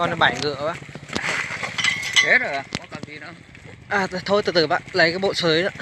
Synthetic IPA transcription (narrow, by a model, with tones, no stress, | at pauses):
ɔ˧n˧˦ɓaː˧˩jŋɨ̰˧˨əɓa̰ː˧˨ | he˦˥t̚ə˨˩a˨˩kɔ˨˦ka˧˩zi˨˩na̰˧ | ʔaː˨˩˨t̪ʰo˧jt̪ɨ˨˧˩t̪ɨ˧˩ɓa̰ː˧˨nlə˨˦jkaː˨˦jɓo̰˧˨səː˨˦jnə˧˦